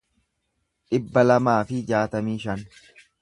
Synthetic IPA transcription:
ᶑɪbːɐlɐmaːfɪd͡ʒaːt̪ɐmiːʃɐn

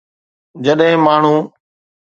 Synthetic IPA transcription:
d͡ʑəɗɦɪ̃maːɳ̤ũː

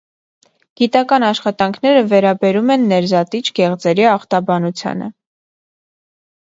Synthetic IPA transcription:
ɡ̥it̪ɑkɑnɑʃχɑt̪ɑŋkʰn̪ɛɾəvɛɾɑbɛɾumɛnːɛɾzɑt̪it͡ʃʰɡɛʁt͡sɛɾiɑχt̪ɑbɑnut͡sʰjɑ̰nə̰

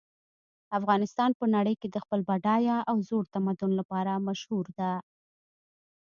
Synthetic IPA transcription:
afɣɑnɪst̪ɑnpənaɽəjked̪əxpəlbaɖɑjɑʔawzoɽt̪amad̪ʊnlapɑɾamaʃhuɾd̪a

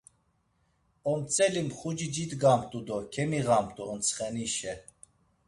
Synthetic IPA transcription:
ɔmt͡sʼɛlimχud͡ʒid͡ʒid̪ɡamt̪ʼud̪ɔkʰɛmiʁamt̪ʼuənt͡sʰχɛniʃɛ

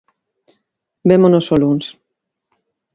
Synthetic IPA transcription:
bɛmonosoluns

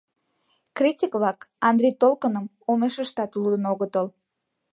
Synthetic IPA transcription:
krʲitʲikβlɑkɑnd̪ɾʲejt̪olkənəm | omeʃəʃt̪ɑt̪lud̪ənoɣət̪əl

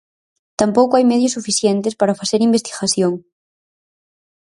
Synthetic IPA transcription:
t̪ampowkoajmɛðjosːufiθjɛnt̪espaɾafaθeɾimbest̪i̥ɣaθjoŋ

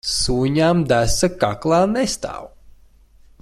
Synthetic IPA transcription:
suːɲamd̪æsakaklˠaːnest̪a̰ːw

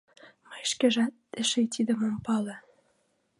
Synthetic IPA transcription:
mɤjʃkĕʒɑt̪ːeʃejt̪ʰid̪ə̆mompɑlɤ̆

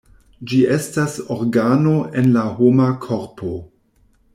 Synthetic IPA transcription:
d͡ʒiʔe̞stasoɾɡanoʔe̞nlahomakʰo̞ɾpʰo̞

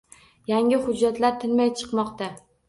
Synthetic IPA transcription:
jaŋɪhʊd͡ʒːat̪laɾt̪ʰɪnmajt͡ʃʰɨ̥qmɒqt̪a

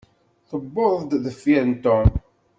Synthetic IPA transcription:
θəbːoðˤd̪ðəfːiɾənt̪om

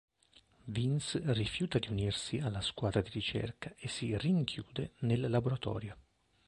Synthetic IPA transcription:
vinsrifjuːt̪ad̪iunirsialːaskwaːd̪ɾad̪irit͡ʃɛ̰rkaesiriŋkʰjuːd̪enelːaboɾat̪ɔ̰ːɾjo

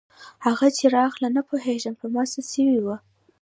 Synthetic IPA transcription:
haɣat͡ʃeɾɑxlanapoɦeʒəmpəmɑsasəwiwə

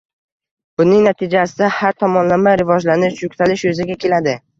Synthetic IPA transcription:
b̥ʊnɪŋnat̪ʰɪd͡ʒasɪd̪ahaɾt̪ʰɒmɒnlamaɾɪvɒd͡ʒlanɪʃjʊkʲt̪ʰalɪʃjɵzɪɡʲakʲe̞lad̪ɪ

